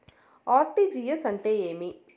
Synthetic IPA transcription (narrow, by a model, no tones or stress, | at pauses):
aːʈːid͡ʒijɐsɐɳʈeeːmi